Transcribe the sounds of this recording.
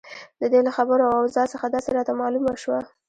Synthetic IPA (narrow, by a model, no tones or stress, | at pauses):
d̪əd̪elaxabəɾoawawzɑsəxad̪ɑseɾɑt̪amɑlumaʃwa